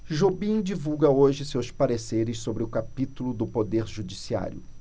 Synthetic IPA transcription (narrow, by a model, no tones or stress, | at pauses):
ʒobĩd͡ʒivuwɡɐoʒɪsewspaɾeseɾɪssobɾɪʊkapit̪ulʊd̪ʊpod̪eɾʒud͡ʒisia̰ɾjʊ̰